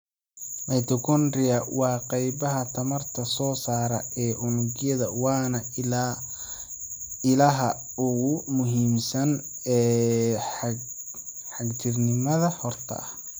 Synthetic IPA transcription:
mɛjt̪ʰɔkʰɔnrɪɐwɑːqɑjbɐɦɐt̪ʰɐmɐrt̪ʰɐsɔːsaːɾɐ̰ɛːʔʊnʊɡjɐðɐwɑːnɐ | ɪlɐɦɐ | ʊɣʊmʊɦiːmsɐn | ɛː | ħɑɡt͡ʃʰɪrnɪmɐðɐhɔrt̪ʰɐ̰ʔɐ

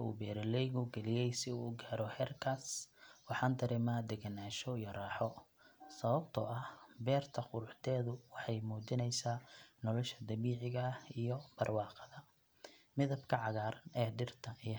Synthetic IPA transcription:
ṵːbɛːɾɛlɛjɣʊɡɛlɪjɛjsɪuːɡaːɾɔhɛːrkʰaːswɑħɑːnd̪ɐɾɛmaːd̪ɛɡɐnaːʃɔijɔrɑːħɔ | sɐβɐbt̪ʰɔ̰ʔɐhbɛːrt̪ʰɐqʊɾʊħt̪ʰɛːðʊwɑħɑjmuːt͡ʃɪnɛjsaːnɔlɔʃɐd̪ɐβiːʕɪɣɐhijɔb̥ɐrwɑːqɑðɐ | mɪðɐbkʰɐʕɑɣaːɾɐnɛːɖɪrt̪ʰɐi

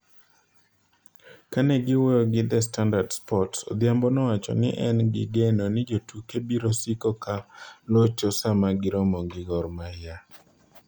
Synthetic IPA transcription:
kanɛɡɪwojoɡɪd̪ɛs̬tandadspɔtso̰d̪ɪjambɔnɔwat͡ʃɔ̰nɪ̰ʔɛnɡɪ̰ɡenonɪd͡ʒotukebiɾosikokalot͡ʃosamaɡɪɾɔmɔŋɡɪɡɔɾmaja

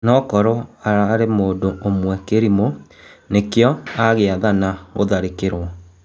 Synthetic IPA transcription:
nɔkɔɾɔaɾaɾemoːndoomwɛkeɾimonekjɔaɣeaðanaɣoðaɾekeɾwɔ

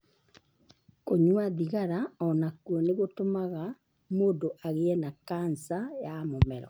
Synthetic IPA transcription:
koɲwaðiɣaɾaɔnakuɔneɣotomaɣa | moːndoʔaɣeɛnakansajamomɛɾɔ̰

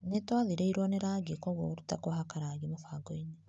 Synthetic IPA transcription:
netwaðiɾeiɾwoneɾaɡikoɣoɾutakoɦakaɾaɡimofaɡoine

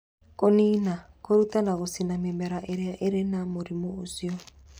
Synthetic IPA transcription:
konina | koɾutanaɣosinamemɛɾaʔeɾʔeɾenamoɾimoosiɔ

